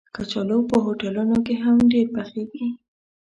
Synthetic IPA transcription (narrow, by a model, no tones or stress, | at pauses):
kat͡ʃalowpəɦoʈalunokeɦamɖeɾpaxeɡi